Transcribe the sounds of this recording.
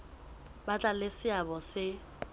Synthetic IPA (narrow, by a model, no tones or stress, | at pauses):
bat͡ɬʼalɪsɪabɔsɪ